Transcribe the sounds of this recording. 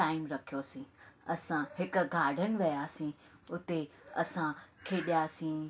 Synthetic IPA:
ʈaːɪmɾɐkʰijosĩːɐsãhɪk̆ɡʱaːɖʱənɪ̆ʋijaːsĩʊt̪eɐ̰sãkʰeːɗijaːsĩː

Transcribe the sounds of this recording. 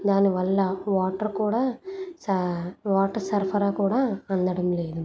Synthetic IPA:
d̪aːnɯʋɐlːɐʋaːʈːɐɾkuːɽɐsɐʋaːʈːɐɾsɐɾfɐɾaːkuːɽɐɐnd̪ɐɽɐmleːðu

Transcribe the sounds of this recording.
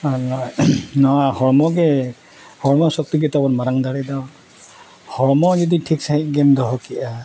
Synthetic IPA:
anɔnɔhɔɭmɔke | hɔɭmɔsɔk̚t̪iket̪ɔbɔɾmaɾaŋd̪aɽed̪ɔ | hɔɭmɔd͡ʒɔd̪iʈʰiksaɦiɡend̪ɔɦɔkiʔa

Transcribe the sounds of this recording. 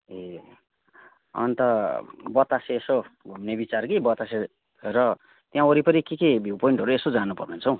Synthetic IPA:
e | ʌ̰nt̪ʌbʌt̪aseːsoɡʱumnebit͡sarkibʌt̪ase | rʌ | t̪jãoɾipʌɾikekebʱiwpoiɳʈɦʌɾuesod͡zanupʌrnent͡sʰʌ̃w̃

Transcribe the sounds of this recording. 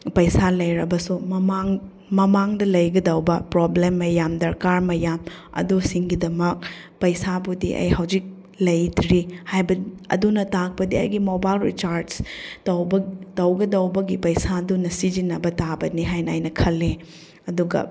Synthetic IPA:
pɐjsalɐjɾɐbɐsumɐmaŋ | mɐmaŋdɐlɐjɡɐdɐwbɐpɾoblemːɐjamdɐɾkaɾmɐjamɐ̰dusiŋɡidɐmɐk̚ | pɐjsabudḭʔɐ̰jhɐwd͡ʒik̚ | lɐjdɾihajbɐɐ̰dunɐtak̚pɐdiɐ̰jɡimobajlɾḭt͡ʃaɾdstɐwbtɐwɡɐdɐwbɐɡipɐjsadunɐsid͡ʒinːɐbɐtabɐniɦajnajnɐkʰɐlːe | ɐduɡɐ̰

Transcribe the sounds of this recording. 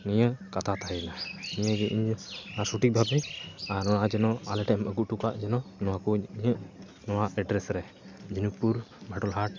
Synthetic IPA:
niɲəkat̪ʰat̪ʰaɦinaniɲəɡɛʔiɲasuʈik̚bʱabɛaɾnɔwaʔad͡ʒɛnɔalɛʈɛməɡuʔʈukaʔd͡ʒɛnɔnɔwakuɲiɲəʔ | nɔwaɛɖɾɛsɾɛ | d͡ʒunuk̚puɾbʱaʈɔlɦaʈ̚

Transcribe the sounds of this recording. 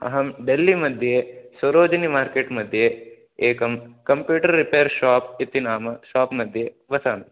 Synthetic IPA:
ɐ̰ɦɐmɖelːimɐd̪ʱjesɐɾoːd͡ʒɐnimaːɾkeʈmɐd̪ʱje | eːkɐmkɐmpjuːʈɐɾːipejɐɾʃaːp̚it̪inaːmɐʃaːpmɐd̪ʱje | ʋɐsaːnɐ

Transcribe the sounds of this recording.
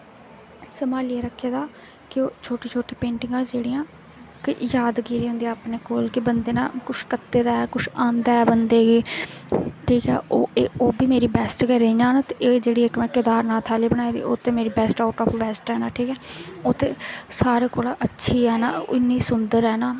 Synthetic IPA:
səmaːlieːɾəkʰːeːd̪aː | kɪoːt͡ʃʰoːʈeːt͡ʃʰoːʈeːpẽːɳʈɪ̃ŋɡãːd͡ʒeːɽiːãː | kɪjaːd̪ɡiːɾiːɦʊ̃nd̪iːaaːpneːkoːlkɪbənd̪eːna̰ːkʊʃkət̪ːeːd̪aːɛːkʊʃãːnd̪aːɛːbənd̪eːɡiː | ʈʰiːkɛ̰ːoeːoːbiːmeːɾiːbɛːsʈkɛːɾeiːd͡ʒãːnaːt̪eeːd͡ʒeːɽiːɪkmɛ̃ːkɪd̪aːɾnãːt̪ʰaːliːbənaːeːd̪ḭːoːt̪ẽːmeːɾiːbɛːsʈaʊʈɔːfʋɛːsʈɛːnaːʈʰiːkɛːoːt̪ẽːsaːɾeːkoːlaʔətːʃʰiːɛːnaːɪnːiːsʊnd̪əɾɛːnaː

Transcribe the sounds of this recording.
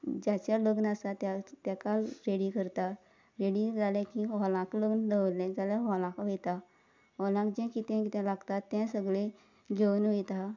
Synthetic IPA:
d͡ʑat͡ɕaləɡnəsat̪at̪jakalɾeɽiːkəɾt̪a | ɾeɽid͡zalɛ̃kĩɦɔlãkləɡnləʋlɛ̃d͡zalɛɦɔlãkʋet̪a | ɦɔlãkd͡ʑɛ̃kit̪ɛ̃kit̪ɛ̃laɡt̪at̪ːɛ̃səɡɭe | ɡenʋet̪a

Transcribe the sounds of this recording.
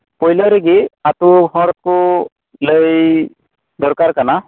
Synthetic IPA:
pɔjlɔɾeɡiat̪uhɔɾɔt̪̚kʊ | ləj | d̪ɔɾkaɾkana

